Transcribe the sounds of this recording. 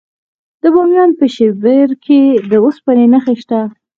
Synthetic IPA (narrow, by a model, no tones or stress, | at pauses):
d̪̥əbɑmjɑnpəʃebeɾkʰed̪əospanenəxeʃt̪a